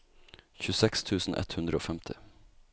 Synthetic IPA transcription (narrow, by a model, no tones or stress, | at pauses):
çʉsɛkst̪ʰʉːsn̩ʔɛ̰t̪hʉnd̪ɾəo̰ːfɛmt̪ʰɪ